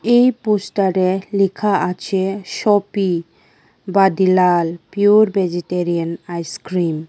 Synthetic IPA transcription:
ejposʈaɾelikʰaʔat͡ɕʰeʃɔpi | bad̪ilalpiuɾbʱed͡ʑeʈeɾianajskɾim

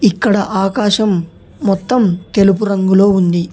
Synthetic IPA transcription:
ikːɐɽɐʔaːkaːʃɐmː | ɔt̪ːɐmt̪e̞lupuɾɐŋɡulo̞ːund̪i

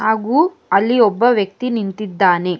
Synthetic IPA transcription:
ɦaːɡuː | ɐlːiɔbːɐʋjɐk̚t̪inint̪id̪ːaːne̞

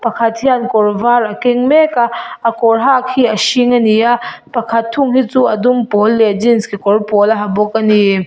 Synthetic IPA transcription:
pakʰɐt̪̚hiankɔrvaɾakiŋmɛkaakɔɹɦakʰiɐʃiŋaniapakʰɐt̪ʰːuŋɦit͡suɐdumpɔlːed͡ʒinskʰikɔrpɔlaɦabɔkani

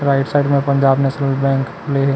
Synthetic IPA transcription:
ɾaɪʈsaɪɖmẽpə̃ɲd͡ʒaːbnɛːʃnəlbɛ̃ːŋk | leɦ

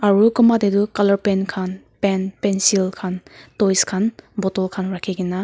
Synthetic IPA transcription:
aɾukumbadedukalɐɾpenkʰan | penpensilkʰantojskʰanbɔtɔlkʰanɾakʰeɡina

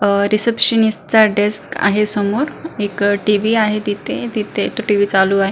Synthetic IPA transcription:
ɾisepɕənist͡saɖeska̰ɦesəmoɾekʈiʋiaɦet̪it̪ʰed̪it̪ʰet̪oʈiʋiːt͡saluːaɦe

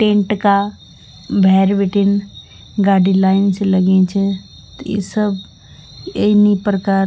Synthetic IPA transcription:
ʈẽːɳʈka | bʱɛːɾʋeʈɪn | ɡaːɖilaːɪnselɐɡẽt͡ʃʰe | t̪ḭːsəb | enipɾəkaːɾ

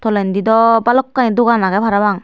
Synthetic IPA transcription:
t̪ɔlɛnd̪id̪ɔpalɔkːaĩd̪uɡanaɡɛpʰaɾabaŋ

